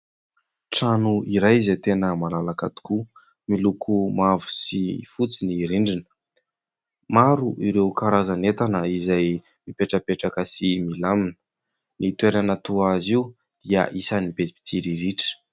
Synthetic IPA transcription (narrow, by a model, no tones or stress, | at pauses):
ʈ͡ʂanuiɾajzet̪enəmalalakat̪u̥ku | milukʰumavu̥sifut͡siniɾiɳɖ͡ʐinə̥ | maɾuʔiɾewkaɾazanet̪anəizaj | mipeʈ͡ʂəpeʈ͡ʂakəsimilaminə̥ | nit̪weɾanət̪uaaziu | d̪̥iə̰ʔisanibepi̥t̪iɾiɾiʈ͡ʂə̥